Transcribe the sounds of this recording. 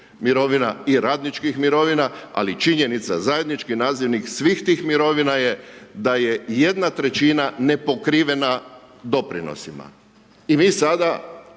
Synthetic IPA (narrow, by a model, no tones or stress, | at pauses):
miɾo̞ʋinaiɾaːd̪nit͡ʃkixmiɾo̞ʋinaa̰lit͡ʃiɲe̞nit̪sa̰zaje̞d̪nit͡ʃkinaːziʋniksʋiːxt̪iːxmiɾo̞ʋinaje̞d̪aje̞je̞d̪nat̪ɾe̞t͡ʃinane̞po̞kɾiːʋe̞na | d̪o̞pɾḭno̰sima̰ | imiːsad̪a